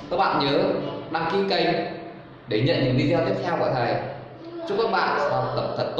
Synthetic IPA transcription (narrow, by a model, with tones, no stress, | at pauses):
kəː˦˥k̚ɓa̰ː˧˨ɲəː˨˦ɗaː˧ŋki˧kə˧j | ɗe˧˩ɲə̰˧˨nɲɨ̰˧˥ŋɗi˧zɔ˧t̪i˦˥əɛ˧wku˧˩t̪ʰə˨˩j | t͡ɕu˦˥kaː˧˦˥k̚ɓa̰ː˧˨nsa˨˧˩t̪ə˨˩p̚t̪ʰə˨˩t̚t̪